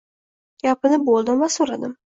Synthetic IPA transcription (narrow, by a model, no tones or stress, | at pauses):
japɪnɪbolˠd̪ɪmvasoɾad̪ɪm